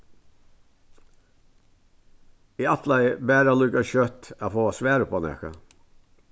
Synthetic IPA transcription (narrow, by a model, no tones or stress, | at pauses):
iːɑt̪ʰlæɪbæːɾɑlʉɡɑçœt̪ɑːfoːɑːsʋæːɾəpʰoːnɛ̰kə̰